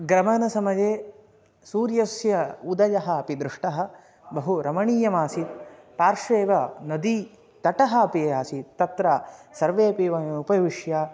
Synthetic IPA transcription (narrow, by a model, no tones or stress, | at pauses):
ɡɾɐmɐnɐsɐmɐd͡ʒeː | suːɾjɐsjɐud̪ɐjɐɦɐɐpid̪ɾɪʂʈɐɦɐ̆ | bɐɦuɾɐmɐɳiːjɐmaːsit̪̚ | paːɾʂʋeːʋɐnɐd̪i | t̪ɐʈɐɦɐɐpijaːsit̪t̪ːɐt̪ɾaːsɐɾʋeːpiːʋɐmupɐʋiʂjaː